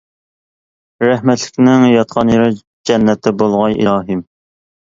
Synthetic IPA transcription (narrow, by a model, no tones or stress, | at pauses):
ɾæhmɛt̪lɪ̥kʲnɪŋjɑt̪qʰɑnjeɾɨ | d͡ʒɛnːɛt̪ʰːɛbolˠʁɑjʔḭɾɑːɦim